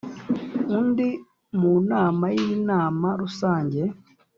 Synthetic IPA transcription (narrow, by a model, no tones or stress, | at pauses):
undi | munaːmajinaːmaɾusaːɲɟe